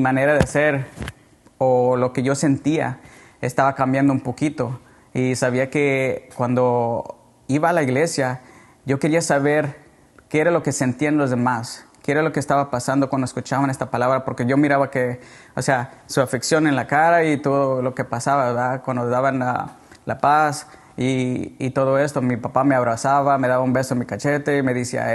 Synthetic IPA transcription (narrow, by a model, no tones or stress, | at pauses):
imane̞ɾaðease̞ɾ | olo̞ke̞ʝo̞se̞nt̪ia̰est̪aβakambjand̪oumpo̞kit̪o̞ | isaβ̞iake̞kwand̪o̞ | iβaːlaiɣle̞sja | ʝo̞ke̞ɾiasaβe̞ɾ | keeɾalo̞ke̞se̞nt̪ianlo̞zðe̞maskeeɾalo̞keːst̪aβapasand̪o̞kwand̪oeskut͡ʃaβane̞st̪apalaβɾapo̞ɾke̞ʝo̞miɾaβakeoseasuafiksjo̞nenlakaɾait̪oðolo̞ke̞pasaβaβeɾðakwand̪oðaβana̰ | lapas | iːt̪o̞ðo̞e̞st̪o̞mipapameaβɾasaβame̞ðaβaumbe̞soenmikat͡ʃe̞t̪e̞ime̞ðisia̰